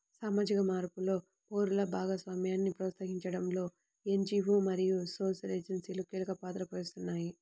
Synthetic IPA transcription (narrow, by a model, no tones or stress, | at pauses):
saːmaːd͡ʒikɐmaːɾpulo̞ː | poːɾulɐbʱaːɡɐsʋaːmjaːnːipɾɐːt̪sɐɦiɲt͡ʃɐɽɐmlo̞ː | eɲd͡ʒiːʋumɐɾijuso̞ːʃɐleːd͡ʒɐnsiːlukilɐkɐpaːt̪ɾɐpɐjust̪unːaːji